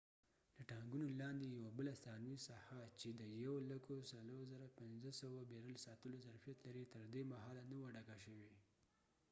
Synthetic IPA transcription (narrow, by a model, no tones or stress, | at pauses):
ləʈɑŋɡunolɑnd̪ejawabəlasɑnwisahat͡ʃed̪əjawolakosalohzaɾapɪnzəsawabeɾəlsɑt̪əlozaɾfijat̪laɾit̪əɾd̪emaɦɑlanawaɖakaʃəwe